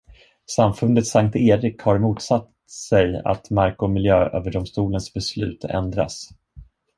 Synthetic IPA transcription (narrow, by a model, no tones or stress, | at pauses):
samfɵnd̪ət̪saŋk̚t̪eːɾɪkhaɾmuːt̪sat̪ | sɛja̰t̪maɾkʊmɪljøːø̰ːvəɖɔmst̪uːlənsbɛslʉ̟̰ːt̪ʰɛ̰nd̪ɾa̰s